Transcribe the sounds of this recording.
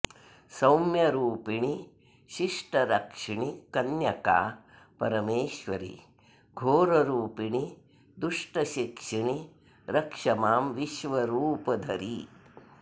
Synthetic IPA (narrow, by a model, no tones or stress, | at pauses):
sɐwmjɐɾuːpiɳi | ʃiʂʈɐɾɐkʂiɳikɐnjɐka̰ː | pɐɾɐmeːʃʋɐɾḭ | ɡʱoːɾɐɾuːpiɳi | d̪uʂʈɐʃikʂiɳi | ɾɐkʂɐmaːmʋiʃʋɐɾuːpɐd̪ʱɐɾi